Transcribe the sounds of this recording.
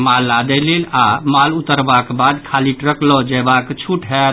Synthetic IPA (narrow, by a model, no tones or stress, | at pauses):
malːad̪ɛlelamalut̪əɾbakbad̪kʰaliʈɾəklɔd͡ʒɛbakt͡ʃʰuʈɦɛ